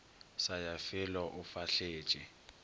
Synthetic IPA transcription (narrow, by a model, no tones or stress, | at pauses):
sajafɪlɔʔʊfaɬeːt͡ʃʼɪ